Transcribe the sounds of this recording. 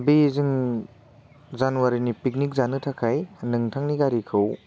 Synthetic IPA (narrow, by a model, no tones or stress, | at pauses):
bizɯŋ | zanuwaɾinipik̬̚nik̚zanɯtʰakʰajnɯŋtʰaŋniɡaɾikʰɯw